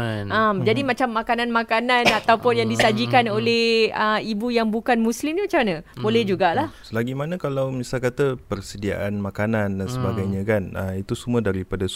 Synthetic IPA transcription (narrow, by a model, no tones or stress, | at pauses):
amd͡ʒadimat͡ʃamːakanãnmãkananat̪awpʊnjaŋdisad͡ʒikanolɛhəibujaŋbukanmũslimt̪umat͡ʃamanãbolɛhd͡ʒuɡalahsəlaɡimanə̃kalawmisalkat̪apərsədia̰ʔanmãkanandansəbaɡajɲə̃kanəit̪usumədaɾipada